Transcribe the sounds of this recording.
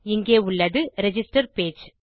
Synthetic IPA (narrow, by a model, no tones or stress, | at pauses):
ɪŋɡeːʊɭːɐðɯɾɛd͡ʒɪsʈɐɾpeːd͡ʒ